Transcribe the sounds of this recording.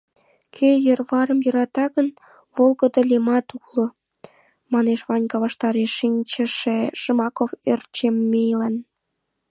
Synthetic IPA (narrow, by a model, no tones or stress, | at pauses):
kʰejərβɑɾəmjø̆ɾɑt̪ɑɣən | βolˠɣəd̪ə̆lʲemɑt̪ulŏ | mɑneʃβɑnʲkɑβɑʃt̪ɑɾeʃːinʲt͡ɕə̆ʃeʃəmɑkofert͡ɕemːejlən